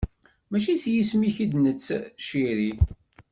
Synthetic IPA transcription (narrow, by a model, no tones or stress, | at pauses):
mæʃiθjismiçid̪nət͡sːʃiɾi